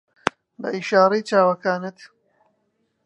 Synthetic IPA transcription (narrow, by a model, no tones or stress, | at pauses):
bɐ̰ʔiʃaːɾejt͡ʃaːwɐkaːnɨt̪